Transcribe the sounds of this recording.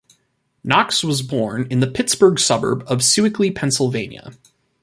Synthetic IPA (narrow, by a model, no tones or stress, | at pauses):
nɑkswʌzbɔɹnɨ̃nðɨpʰɪtsb̥ə˞ɡsʌbə̰˞bʌv̥sʉɨklipʰɛ̃nsl̩ˠvẽɪ̃njɨ̰